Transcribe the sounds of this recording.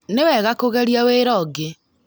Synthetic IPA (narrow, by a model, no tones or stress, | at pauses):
newɛɣakoɣɛɾjaweːɾɔɡe